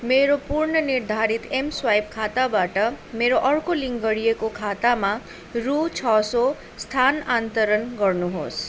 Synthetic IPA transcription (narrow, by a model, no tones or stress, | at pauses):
meɾopuɾɳəniɾd̪ʱaɾit̪emswajb̚kʰat̪abaʈʌmeɾoʔʌɽkoliŋɡɡʌɽijekokʰat̪amã | ɾut͡ʃʰɔso | st̪ʰanant̪əɾənɡʌɾnuɦo̰s